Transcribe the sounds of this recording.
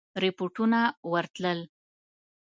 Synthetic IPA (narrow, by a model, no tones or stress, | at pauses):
ɾɪpoʈunawəɾt̪ləl